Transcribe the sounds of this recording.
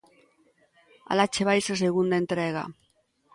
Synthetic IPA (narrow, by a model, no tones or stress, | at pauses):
a̰lat͡ʃeβajsas̬eɣund̪aent̪ɾeɣa̰